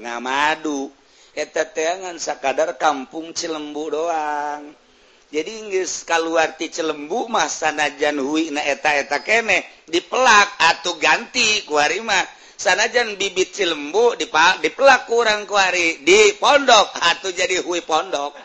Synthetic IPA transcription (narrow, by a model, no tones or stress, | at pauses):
ŋa̰madu | ɛt̪at̪eaŋansakadarkampuŋt͡ʃələmbuʔdoaŋ | d͡ʒadiŋɡəskaluart̪it͡ʃələmbuʔmahsanad͡ʒanhuiʔnaʔɛt̪aɛt̪akenɛhdipəlak̚at̪uɡant̪ikuaɾimah | sanad͡ʒanbibit̪̚t͡ʃələmbuʔdipadipəlakːuɾaŋkuaɾidipɔndɔk̚at̪ud͡ʒadiɦuipɔndɔk̚